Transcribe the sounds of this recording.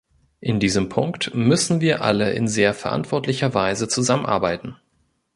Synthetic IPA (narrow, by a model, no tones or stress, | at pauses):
ʔɪndiːzəmpʰʊŋktmʏsn̩viːɐʔa̰ləʔɪ̰nzeːɐfɛɐʔa̰ntv̥ɔɐtlɪçɐvaɪzət͡suzamənʔa̰ɐbaɪtn̩